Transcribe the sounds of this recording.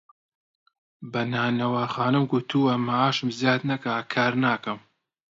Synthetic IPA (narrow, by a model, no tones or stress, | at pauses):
bɐnaːnɐwaːxaːnɨmɡʊt̪ʰuːɐmaaːʃɨmzjaːt̪nɐkɐkʰaːɾnaːkɐm